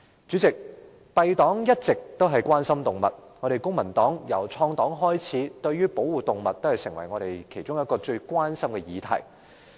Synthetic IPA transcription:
t͡ʃyː˨˥t͡sɪ˨k̚ | pɐ˧jt̪ɔː˨˥ŋjɐ˥t̚t͡sɪ˨k̚t̪o˥wɦɐ˨jkwaː˥nsɐ˥mt̪ʊ˨ŋmɐ̰˨t̚ŋɔː˨˧ɾe˨jkʊ˥ŋmɐ˨˩nt̪ɔː˨˥ŋjɐ˨˩wt͡sʰɔː˧ŋt̪ɔː˨˥ŋɦɔː˥jt͡sʰiː˨˥t̪ɵ˧ɥyː˥po˨˥wuː˨˩t̪ʊ˨ŋmɐ˨t̚t̪ːo˥whɐ˨jsɪ̰˨˩ŋwɐ̰˨˩jŋɔː˨˧ɾe˨˩jkʰe˨˩jt͡sʊ˥jɐ˥t̚kɔː˧t͡ʃɵ˧ɥkʷwaː˥nsɐ˥mkɛ˧jiː˨˧t̪ʰɐ̰˨˩j

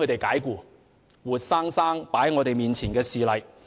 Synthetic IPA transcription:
ɵ˨˧t̪e˨jkaː˨˥jkuː˧˩ | wuː˨t̚saː˥ŋsaː˥ŋpaː˨˥jŋɔ˨˧t̪e˨jmiː˨˩nt͡sʰiː˨˩nkɛː˧siː˨lɐ˨j

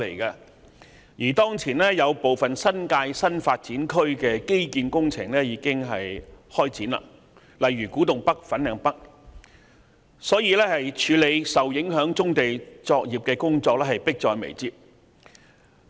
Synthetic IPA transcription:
le˨˩kɐ˧ | jiː˨˩t̪ɔː˥ŋt͡sʰiː˨˩nɛː˥jɐ˨˧wpo˨wfɐ˨nsɐ˥nkaː˧jsɐ˥nfaː˧t̚t͡siː˨˥nkʰɵ˥ɥkɛː˧ke˥jkiː˨˧nkʊ˥ŋt͡sʰɪ̰˨˩ŋlɛː˥jiː˨˧˥kɪ˥ŋɦɐ˨jhɔː˥jt͡siː˨˥nla̰ː˨ | lɐ˨jɥyː˨˩kuː˨˥t̪ʊ˨ŋpɐ˥k̚fɐ˨˥nɛː˨˥ŋpɐ˥k̚ | sɔː˨˥jiː˧lɛː˥hɐ˨jt͡ʃʰyː˨˧le˨˧jsɐ˨wjɪ˨˥ŋɦœː˨˥ŋt͡sʊ˥ŋt̪e˨jt͡sɔː˧k̚jiː˨p̚kɛː˧kʊ˥ŋt͡sɔː˧k̚lɛː˥hɐ˨˩jpɪ˥k̚t͡sɔː˧jmḛ˨˩jt͡siː˧p̚

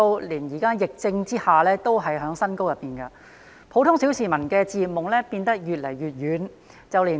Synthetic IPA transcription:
o˥wliː˨˩njiː˨˩kaː˥jɪ˨k̚t͡sɪ˧ŋt͡siː˥haː˨lɛː˥t̪o˥wɦɐ˨jɦœː˨˥ŋsɐ˥nko˥wjɐ˨p̚ːiː˨˩nkɐ˧ | pʰo˨˥wt̪ʰʊ˥ŋsi˨˥wsiː˨mɐ˨˩nkɛː˧t͡siː˨˧mʊ˨ŋlɛː˥piː˧nt̪ɐ˥k̚jyː˨t̚lɐ˨˩jɥyː˨t̚jyː˨˥n | t͡sɐ˨wliː˨˩

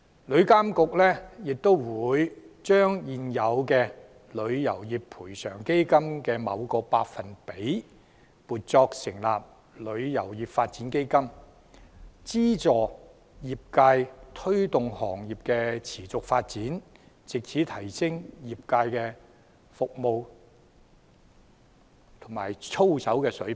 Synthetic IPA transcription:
lɵ˨˧ɥkaː˥mkʊ˨k̚lɛː˥jɪ˨k̚t̪o˥wwuː˨˧jt͡ʃœː˥ŋjiː˨njɐ˨˧wkɛ˧ | lɵ˨˧ɥjɐ˨˩wjiː˨˩ppʰuː˨˩jsœ̰ː˨˩ŋke˥jkɐ˥mkɛː˧mɐ̰˨˧wkɔː˧paː˧k̚fɐ˨npe˨˥j | puː˨˩t̚t͡sɔː˧k̚sɪ˨˩ŋlaː˨p̚ | lɵ˨˧ɥjɐ̰˨˩wjiː˨˩pfaː˧t̚t͡siː˨˥nke˥jkɐ˥m | t͡siː˥t͡sɔː˨ | jiː˨p̚kaː˧jt̪ʰɵ˥ɥt̪ʊ˨ŋhɔː˨˩ŋjiː˨˩p̚kɛː˧t͡sʰiː˨˩t͡sʊ˨k̚faː˧t̚t͡siː˨˥n | t͡sɪ˨k̚t͡sʰi˨˥t̪ʰɐ˨˩jsɪ˥ŋjiː˨p̚kaː˧jkɛː˧ | fʊ˨k̚mo˨˧w | t̪ʰʊ˨˩ŋma̰ː˨˩jt͡sʰo˥wsɐ˨˥wkɛː˧sɵ˨˥ɥ

